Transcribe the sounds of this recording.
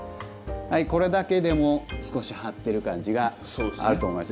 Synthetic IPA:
haiko̞ɾe̞d̪ake̞d̪e̞mo̞sɨ̥ko̞ɕihat̪ːe̞ɾɯ̟kãɲ̟d͡ʑiɡaa̰ɾɯ̟t̪omojmas

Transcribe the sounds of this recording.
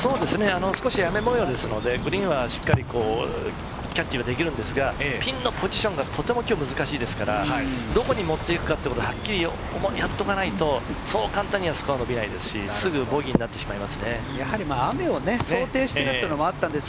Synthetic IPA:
so̞ːd̪e̞sɨne̞ano̞sɨ̥ko̞ɕijame̞mojo̞ːd̪e̞sɨno̞d̪e̞ɡɯ̟ɾʲĩɰ̃βaɕi̥kːaɾʲiko̞ː | kʲat͡ɕːiβad̪e̞kʲiɾɯ̟̃nd̪e̞sɨɡapʲĩnːo̞pʰo̞ʑiɕõ̞ŋɡat̪ʰo̞t̪e̞mo̞kʲo̞ːmɯ̟zɨkaɕiːd̪e̞sɨ̥kaɾahad̪o̞ko̞ɲ̟imo̞t̪ːe̞ikɯ̟̥kat̪eekot̪ːhakʲːiɾʲijo | mjat̪ːo̞kanait̪o̞so̞ːkãnt̪ãɲ̟ːiβasɨ̥koano̞bʲinaid̪e̞sɨ̥ɕḭsɨɡɯ̟bo̞ɡʲiɲ̟inat̪ːe̞ɕimaimasɨne̞ | jahaɾʲimaːame̞o̞ne̞soːt̪e̞ːɕi̥t̪eɾɯenomoat̪ːãnd̪es

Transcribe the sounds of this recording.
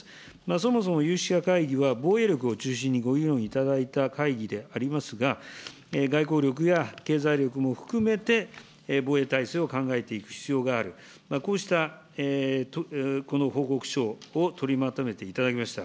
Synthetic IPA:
mas̬o̞mo̞so̞mo̞jɯːɕi̥kakaiɡʲiβabo̞ːe̞ɾʲjo̞k̬ɯ̟o̞t͡ɕɨːɕĩɲ̟ːiɡo̞iɾõ̞ɰ̃it̪ad̪ait̪akaiɡʲid̪e̞aɾʲimasɨɡa | eɡaiko̞ːɾʲo̞k̬ɯ̟jake̞ːzaiɾʲjo̞kɯ̟mo̞ɸɯ̟̥kɯ̟me̞t̪e̞ | boːe̞t̪aiseːo̞kãŋɡae̞t̪e̞ikɯ̟̥çi̥t͡sɨjo̞ːɡaːɾɯ̟ | mako̞ːɕi̥t̪a | et̪oko̞no̞ho̞ːko̞kɯ̟̥ɕo̞ːot̪ʰo̞ɾʲimat̪o̞me̞t̪e̞it̪ad̪akʲimaɕi̥t̪a

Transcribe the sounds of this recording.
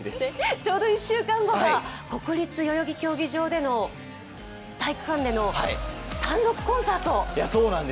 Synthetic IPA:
d̪est͡ɕo̞ːd̪o̞iɕːɨːkãŋɡo̞ɡako̞kɯ̟ɾʲit͡sɨjo̞jo̞ɡʲikʲo̞ːɡʲiʑo̞ːd̪e̞no̞ | t̪aikɯ̟̥kãnd̪e̞no̞hait̪ãnd̪o̞kɯ̟̥kõ̞ɰ̃saːt̪o̞jasoːnãnd̪e

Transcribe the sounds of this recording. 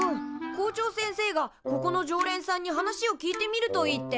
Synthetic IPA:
ɯ̃ko̞ːt͡ɕo̞ːsẽɰ̃se̞ːɡako̞ko̞no̞ʑo̞ːɾẽ̞ɰ̃sãɲ̟ːiɦanaɕio̞kʲiːt̪e̞mʲiɾɯ̟t̪o̞it̪ːe̞

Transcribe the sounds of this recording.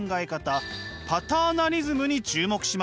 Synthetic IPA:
ŋɡaekat̪apat̪aːnaɾʲizɨmɯ̟ɲ̟it͡ɕɨːmo̞kɯ̟̥ɕim

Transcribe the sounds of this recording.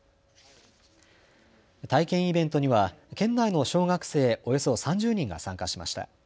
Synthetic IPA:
t̪aikẽ̞ɰ̃ibẽ̞nt̪o̞ɲ̟iβakẽ̞nːaino̞ɕo̞ːɡakɯ̟̥se̞ːo̞jo̞so̞sãɲ̟d͡ʑɨːɲ̟ĩŋɡa̰sãŋkaɕima̰ɕi̥t̪a̰

